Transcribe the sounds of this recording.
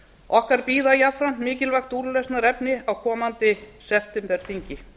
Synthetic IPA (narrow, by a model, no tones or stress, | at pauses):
ɔhkaɾpiːðajapfɾan̥t̪mɪːcɪlvaxt̪uɾlɛst̪naɾɛpnɪawkʰɔːmant̪ɪsɛft̪ʏmpɛɾ̥θiɲcɪ